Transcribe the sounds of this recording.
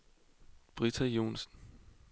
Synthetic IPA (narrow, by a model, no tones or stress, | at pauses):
b̥ʁit͡sʰæjo̝̰ːnsn